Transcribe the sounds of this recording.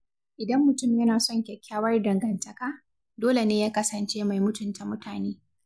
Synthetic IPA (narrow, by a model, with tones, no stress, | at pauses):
ʔɪ˨dɐ˦mːʊ˨tʊ˦˨mjɐ˦naː˨sɔ˦ŋkʲɛ˨kʲːaː˦wɐ˦rdɐ˨ŋɡɐ˨ntɐ˨kaː˦ | doː˦le˨neː˦jaː˦kɐ˦sɐ˨nt͡ʃeː˦ma˨jmʊ˦tʊ˨nta˨mʊ˦taː˨neː˦